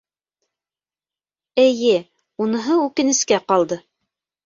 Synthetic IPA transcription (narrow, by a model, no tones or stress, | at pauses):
ɘ̆jɘ | unɤ̆ɦɤʉkɘ̆nɘ̆skæqɑlˠd̪ɤ